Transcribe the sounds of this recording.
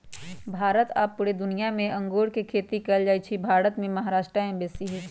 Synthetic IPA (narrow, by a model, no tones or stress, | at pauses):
bʱaːɾət̪a̰ːpːʊɽed̪ʊnijamẽʔɐ̃ŋɡoːɽkekʰeːt̪ikəld͡ʒaːjt͡ʃʰibʱaːɾət̪mẽmɐɦaɾaːʃʈɾaɛ̃bɛːsiɦi